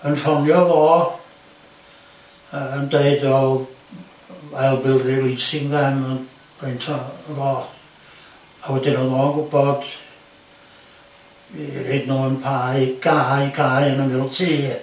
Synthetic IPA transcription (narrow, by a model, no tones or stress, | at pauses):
ənfɔnjɔvɔː | əəndeɨdɔ | mɛlˠbɪlˠrɪvlˠisɪŋvɛmɔn | rejntʰɔvɔː | awɛdɪnɔnɔənɡʊbɔd̥ | iriːdnuːənpʰaːɨɡ̥aɨɡaːjənəmɪlˠtʰiː